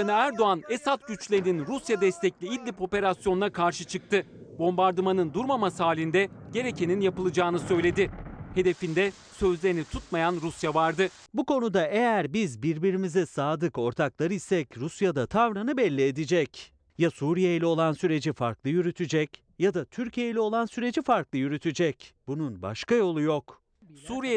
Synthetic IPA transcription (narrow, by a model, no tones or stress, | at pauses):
anɯæɾd̪o̞anesat̪ɟyt͡ʃlʲeɾininɾusjad̪ɛst̪ʰɛclʲiid̪ːʲipo̞pe̞ɾasjo̞nunakʰaɾʃɯt͡ʃʰɯk̚t̪ʰɯ | bo̞mbaɾd̪ɯmanɯnd̪uɾmamasɯhaːlʲind̪ɛɟe̞ɾecʰe̞ninjapɯlˠɯd͡ʒaːnɯsø̞jlʲe̞d̪ɪhe̞d̪e̞find̪ɛ | sø̞zlʲe̞ɾinit̪ʰut̪majanɾusjavaɾd̪ɯ | bukʰo̞nud̪ae̞jæɾbizbiɾbiɾimizɛsaːd̪ɯko̞ɾt̪ʰaklˠaɾɯjsɛcɾusjad̪at̪ʰavɾanɯbɛlʲːied̪id͡ʒɛc | jasuɾije̞jilʲɛo̞lˠansyɾe̞d͡ʒifaɾklˠɯjyɾyt̪ʰyd͡ʒɛc | jad̪at̪ʰyɾcʰije̞jilʲɛo̞lˠansyɾe̞d͡ʒifaɾklˠɯjyɾyt̪ʰyd͡ʒɛcbununba̰ʃkajo̞lˠujo̞k | suːɾije